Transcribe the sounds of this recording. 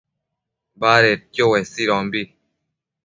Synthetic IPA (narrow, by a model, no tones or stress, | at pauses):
baːɾet̚kjowɛsiɾɔŋbi